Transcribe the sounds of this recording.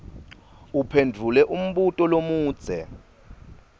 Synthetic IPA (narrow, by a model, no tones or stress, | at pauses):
upʰendʱulɛʔum̩ɓutʼɔlomuːd̥z̥ʱɛ